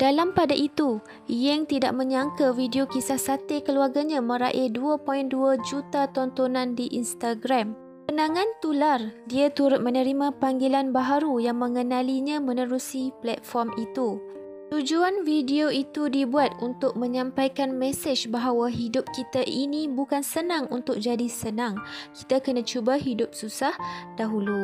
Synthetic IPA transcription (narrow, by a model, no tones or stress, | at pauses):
d̥alampadaʔit̪u | jɪŋt̪ida̰ʔ̚mə̃ɲaŋkavidiokisahsat̪ekəluarɡaɲãmə̃ɾa̰ʔeduapɔɪnduad͡ʒut̪at̪ɔnt̪onãndiʔinst̪aɡɾam | pənãŋãnt̪ulardiat̪uɾʊt̪̚mənə̃ɾimãpaŋɡilanbaɦaɾujaŋmə̃ŋənãliɲãmə̃nə̃ɾusiplɛt̪̚fɔrmit̪u | t̪ud͡ʒuanvidioit̪udibuat̪̚unt̪ʊk̚mə̃ɲãmpajkanmɛsəd͡ʒbaɦawaɦidʊp̚kit̪aʔinĩbukansənãŋunt̪ʊk̚d͡ʒadisənãŋki̥t̪akənãt͡ʃubaɦidʊp̚susahd̥aɦulu